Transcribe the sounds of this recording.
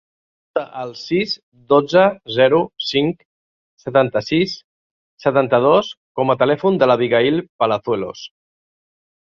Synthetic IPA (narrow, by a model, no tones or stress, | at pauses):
t̪əʔəlˠsiz | d̪od͡zəzɛɾusiŋk | sət̪ant̪əsisː | ət̪ant̪əð̞oskɔmət̪əlɛfund̪ələβiɣailˠpələθwelo̰s